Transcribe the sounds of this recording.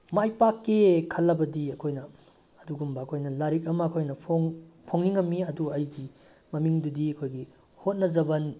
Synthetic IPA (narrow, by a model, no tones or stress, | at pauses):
majpakːekʰɐlːɐbɐdiɐkʰojnɐː | duɡumbɐːkʰojnɐlaɾik̬̚ɐmɐːkʰojnɐpʰoŋpʰoŋniŋɐmːiɐduɐjɡi | mɐmiŋdudiɐkʰojɡi | hot̚nɐzɐbɐn